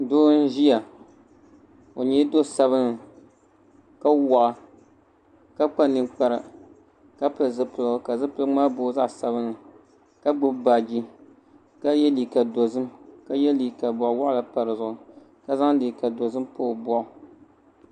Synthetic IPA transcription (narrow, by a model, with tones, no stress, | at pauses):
doː˦n̩˦ʒi˦ja˨ | o˨ɲɛ˦do˦sa˦βɨ˦nɨ˨ | ka˦wɔ˨ʔa˨ | ka˦k͡pa˦nɨ˦mk͡pa˦ɾɨ˨ | ka˦pɨ˨lzɨ˦pɨ˨lka˨zɨ˦pɨ˦lɨ˦ŋ͡maː˦boː˦za˦ʔsa˦βɨ˦nɨ˨ | ka˦ɡ͡bʊ˦bba˨d͡ʒi˦ | ka˦jɛ˦li˨ka˨do˨zɨ˦mka˦jɛ˦li˨ka˨bɔ˨ʔʊ˨wa˦ʔla˨pa˨ɾɨ˨zʊ˨ʊ˨ | ka˦za˦ŋ˦dɨː˨ka˨do˨zɨ˦mpoː˦˨bɔ˦ʔʊ˨